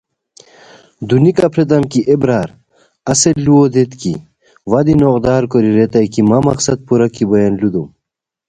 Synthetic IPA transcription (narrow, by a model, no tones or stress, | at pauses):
d̪unikɐpʰɾet̪̬ɐmkiʔebɾaːɾ | ɐseluod̪et̪kḭ | wɐd̪inoqd̪aːɾkoɾiɾet̪ɐjkimamɐ̰qsɐd̪̚puɾɐkibɐjɐnlud̪um